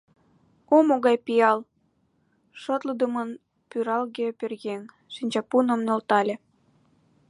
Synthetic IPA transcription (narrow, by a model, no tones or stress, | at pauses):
omoɣɑjpijɑl | ʃot̪ləd̪əmən | pyɾɑlɣepʲørɣeŋ | ʃinʲt͡ɕɑpunə̆mnolt̪ɑlʲĕ